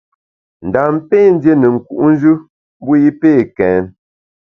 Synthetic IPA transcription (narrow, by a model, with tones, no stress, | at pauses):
n̩˨da˨m˦pe˦˨n̩˦dje˦nə˨ŋ̩˨ku˨ʔn̩˦d͡ʒʉ˦ | m˦bu˦ji˦peː˦˨kɛː˨˦n